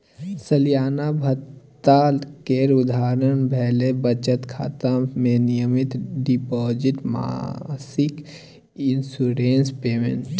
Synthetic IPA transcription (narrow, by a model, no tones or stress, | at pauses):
səlijaːnabʱət̪ːalkeɾʊd̪ʱaːɾənbʱɛːlebət͡ʃət̪kʰa̰ːt̪amẽnijəmɪt̪ɖipɔːd͡ʒɪʈma̰sɪk | ɪnsuɾenspeːmḛ̃ɳʈ